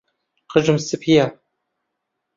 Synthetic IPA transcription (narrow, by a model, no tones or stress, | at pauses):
qəʒɨmsɨpʰija